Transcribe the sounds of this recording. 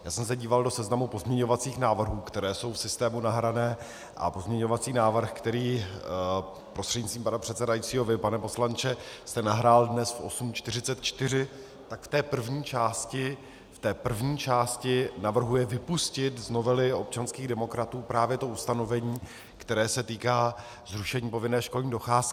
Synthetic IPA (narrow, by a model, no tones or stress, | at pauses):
jaːsɛms̬ɛɟiːvaldo̞sɛznamupo̞zmɲɛɲo̞vat͡siːxnaːvr̩ɦuːkt̪ɛɾɛːso̞wfsɪst̪ɛːmunaɦɾanɛː | ʔa̰po̞zmɲɛɲo̞vat͡siːnaːvr̩xkt̪ɛɾiː | pɾost̪r̥ɛdɟɲɪtt͡st̪vimpanapr̥ɛt̪sɛdajit͡siːɦo̞vɪpanɛpo̞slant͡ʃɛst̪ɛnaɦɾaːldnɛsfʔo̞̰sumt͡ʃt̪ɪr̝ɪt͡sɛt̪̚t͡ʃt̪ɪrɪ | t̪akft̪ɛːpr̩vɲiːt͡ʃaːscɪ | ft̪ɛːpr̩vɲiːt͡ʃaːscɪnavr̩ɦujɛvɪpuscɪt̪zno̞vɛlɪo̞p̚t͡ʃanskiːɣdɛmo̞kɾat̪uːpɾaːvjɛt̪o̞ust̪ano̞vɛɲiː | kt̪ɛɾɛːsɛt̪iːkaː | zɾuʃɛɲiːpo̞vɪnɛːʃkolɲiːdo̞xaːsk